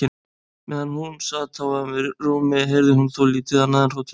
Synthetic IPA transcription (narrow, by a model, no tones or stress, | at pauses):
ɪ | mɛðanːhunsaðt̪ʰawamvɪɾruːmɪɦeɾðɪɦunθowliːt̪ɪðanːaːðanrowt̪ʰ